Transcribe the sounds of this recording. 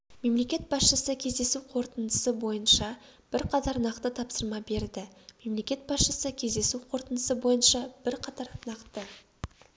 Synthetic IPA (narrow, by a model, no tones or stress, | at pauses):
me̞mle̞kʲe̞t̪̚bɑsʃəsəkʲʰe̞zd̪e̞suqʰo̞ɾt̪ənd̪əsəbo̞jənʃɑ | b̥ɪɾqʰɑt̪ɑɾnɑqt̪ət̪ʰɑpsəɾmɑbe̞ɾd̪ɪme̞mle̞kʲe̞t̪̚bɑsʃəsəkʲʰe̞zd̪e̞suqʰo̞ɾt̪ənd̪əsəbo̞jənʃɑb̥ɪɾqʰɑt̪ɑɾnɑqt̪ə